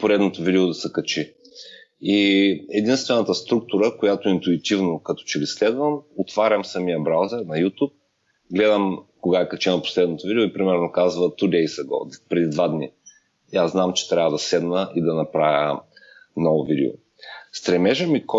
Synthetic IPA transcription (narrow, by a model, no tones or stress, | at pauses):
poɾɛd̪not̪ovid̪ɛod̪ɐsɛkɐt͡ʃi | iɛd̪inst̪vɛnət̪əst̪ɾuk̚t̪ʊɾəkojat̪oint̪uit̪ivnokɐt̪ɔ̥t͡ʃɛlislɛd̪vəmot̪vaɾʲɐmsɐmijəbɾawzɛɾnɐjut̪up̚ | ɡlɛd̪əmkoɡaɛkɐt͡ʃɛnɐpo̥slɛd̪not̪ovid̪ʲɛoipɾimɛɾnokazvət̪ud̪ɛjsɐɡɔ̰d̪pɾɛd̪id̪vad̪ni | aznamt͡ʃɛ̥t̪ɾʲavɐd̪ɐsɛd̪nəʔid̪ɐnɐpɾavʲjə̰ | nɔvʊvid̪ɛ̰o̰ | st̪ɾɛmɛʒəmik